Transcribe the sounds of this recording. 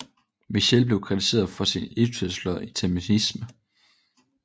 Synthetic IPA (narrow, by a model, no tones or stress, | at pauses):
miɕelb̥le̝ʊkʰʁit͡sʰise̝̰ːɐðˠfɒ̽sinit͡sʰøslɒðˠit͡sʰæminismə